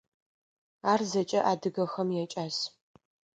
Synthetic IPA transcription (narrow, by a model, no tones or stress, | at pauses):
aːrzɐt͡ʃʼɐʔaːdɨɡɐxɐmjɛt͡ʃʼaːs